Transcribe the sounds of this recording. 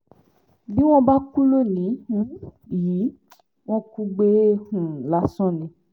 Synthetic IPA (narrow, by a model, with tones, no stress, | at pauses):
bi˦w̃ɔ̃˦ba˦ku˦lo˦˨nĩ˨˦hũ˦ji˨˦ | w̃ɔ̃˦ku˧ɡ͡be˦hũ˨la˨˦sɔ̃˦˨nĩ˧